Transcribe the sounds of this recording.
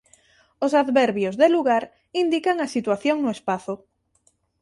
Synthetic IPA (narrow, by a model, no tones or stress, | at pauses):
osaðβɛɾβjozðeluɣaɾ | ind̪ikaŋasit̪waθjoŋnʊespaθʊ